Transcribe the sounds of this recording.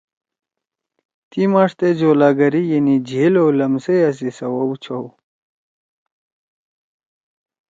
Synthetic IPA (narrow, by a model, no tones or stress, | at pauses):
t̪imaːʂt̪ed͡ʑoːlaːɡɐɾijenid͡ʑʱelowlɐmsejas̬isɐwɐwt͡ɕʰow